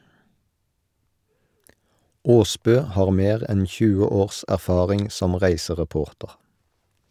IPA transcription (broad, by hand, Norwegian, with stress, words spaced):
ˈoːˌsbøː ˈhɑːʁ ˈmeːʁ ˈɛn ˈçʉːə ˈoːʁs æʁˈfɑːʁɪŋ ˈsɔm ˈʁæɪsəʁɛˌpoːʁtəʁ